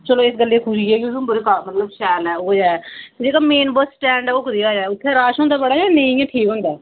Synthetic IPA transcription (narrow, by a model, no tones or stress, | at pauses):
t͡ʃəloːɪsɡəlːeːkʰʊʃiːɛːɡiusumbʊɾeːkaːɾmət̪ləbʃɛːlɛːoːd͡ʒaːd͡ʒeːkaːmeːnbəsʈɛ̃ːɳɖɛːokɾiːaːd͡ʒaːʊt̪ʰːẽːɾaːʃɦõːnd̪aːbəɽaːd͡ʒaːnẽĩɛ̃ːʈʰiːkɦʊ̃nd̪aː